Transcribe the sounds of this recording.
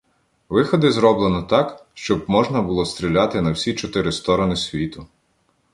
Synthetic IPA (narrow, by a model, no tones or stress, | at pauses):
ʋɪxɔd̪ɪzɾɔblˠenɔt̪ɑkʃt͡ʃɔb̚mɔʒnɐbʊlˠɔst̪ʲɾʲilʲat̪ɪnɐwsʲit͡ʃɔt̪ɪɾɪst̪ɔɾɔnɪsʲʋʲit̪ʊ